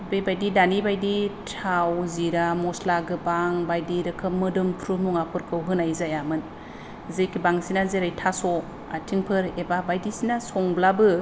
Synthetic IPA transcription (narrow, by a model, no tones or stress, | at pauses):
bejbajdidanibajditʰawziɾamɔslaɡɯbaŋbajdiɾɯkʰɯmɯdɯmpʰɾumuŋapʰɯɾkʰɯwɦɯnajzajamɯn | zɯjkibaŋsinazeɾajtʰasɔ | a̰tʰiŋpʰɯɾebabajdisinasɔŋblabɯ